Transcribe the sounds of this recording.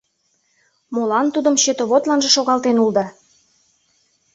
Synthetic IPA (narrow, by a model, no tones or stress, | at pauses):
molɑnt̪ud̪ə̆mɕøt̪oβot̪lɑnʒĕʃoɣɑlt̪enuld̪ɑ